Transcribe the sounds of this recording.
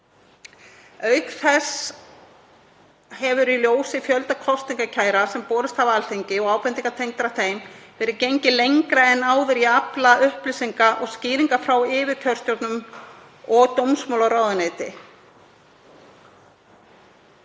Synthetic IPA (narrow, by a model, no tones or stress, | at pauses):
œɥkθɛs | hɛvʏɾiljoːwsɪfjœlt̪akʰɔst̪niŋkacʰaːjɾasɛmpɔːɾʏst̪havalθejɲcɪɔɣaːwpɛnt̪iŋkat̪ʰejŋkt̪ɾaθejmvɛːɾɪcejɲcɪlejɲkɾaɛnːaːwðɪɾiaplaʔʏhplɪsiŋkaʔɔɣsciːɾiŋkafɾawɪːvɪc̪ʰœɾr̥st̪jɔɾt̪nʏm | ɔɣt̪owmsmowlawɾaːwðaneːt̪ɪ̰